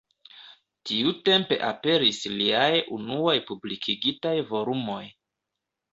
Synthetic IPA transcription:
tiute̞mpe̞̰ʔape̞ɾisliajunuojpublikʰiɡitajvo̞lumo̞j

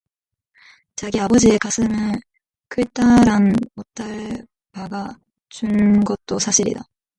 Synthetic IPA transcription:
t͡ɕaɡiabʌd͡ʑiekas͈ʰɯmɯn | kɯt͈aɾanot͈aɭ | paɡa | t͡ɕunɡʌt̚t͈osʰaɕʰiɾḭda

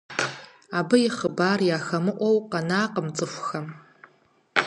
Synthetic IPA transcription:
abɨjiχəbaːrjaːxamɨʔʷowqʼanaːqʼəmt͡sʼɨxʷxam

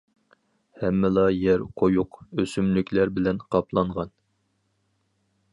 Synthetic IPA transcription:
hɛmːɪlˠɑjɛɾqʰojuqøsymlykʲʰlæɾbɪlɛnqʰɑpʰlˠɑɴʁɑn

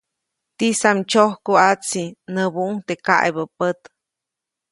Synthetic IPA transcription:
t̪isamt͡ʃohkoat͡sinəbuʔŋt̪eka̰ʔjbəpət̪

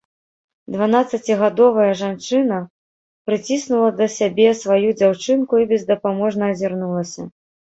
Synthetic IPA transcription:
d̪vanat̪sɐt͡sʲiɣad̪ɔvɐjɐʐant͡ʂɨnɐ | pɾɨt͡sʲisnulˠɐd̪ɐsʲabʲɛsvajud͡zʲawt͡ʂɨnkuibʲɛzd̪ɐpamɔʐnɐːzʲarnulˠɐsʲɐ

